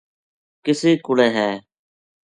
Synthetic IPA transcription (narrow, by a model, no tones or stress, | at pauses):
kɪseːkʊleːɦɛː